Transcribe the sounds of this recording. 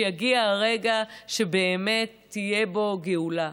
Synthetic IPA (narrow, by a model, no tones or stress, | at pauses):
jaɡiaʁe̞ɡaʃe̞be̞ːme̞tːije̞bo̞ɡeula